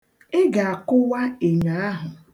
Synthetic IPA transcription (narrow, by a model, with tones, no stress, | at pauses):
ɪ˦ɡa˨a˨kʊ˦wa˦e˨ɲa˨a˦ɦʊ˨